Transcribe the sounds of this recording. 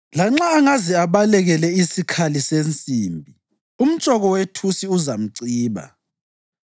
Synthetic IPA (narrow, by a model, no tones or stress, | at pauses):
laŋ͡ǁaːŋazɛaβalɛɣɛlɛisikʰalisent͡sʼiːmbʱi | um̩t͡ʃʼɔɣɔwetʰusiuzam̩ǀiːβa̰